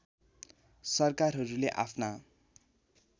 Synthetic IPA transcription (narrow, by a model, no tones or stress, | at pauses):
sʌrkarɦʌɾuleʔa̰pʰna